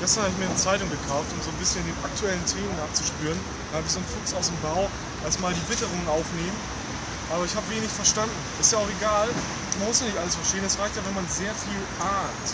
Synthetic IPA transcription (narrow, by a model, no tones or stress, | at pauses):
ɡ̥ɛstɐnhabɪç̬miːɐnət͡saɪtʊŋɡəkʰaʊftʊmzoːnbɪsçəndeːnʔak̚tʰuɛləntʰeːmənaːχt͡suʃpyːʁən | dahaːbɪçz̥oːnfʊksaʊsdeːmbaʊ | ʔasmaːldiːvɪtəʁ̞ʊŋənʔaʊfneːmən | ʔaːbɐɪçhaːbəveːnɪçfɛɐʃtandn̩ʔsɪ̥tjaːaʊxeɡaːl | manmʊsjaːnɪçtʔaləsfɛɐʃteːənɛsʁaɪçtjavɛnmanzeːɐfiːlʔaːnt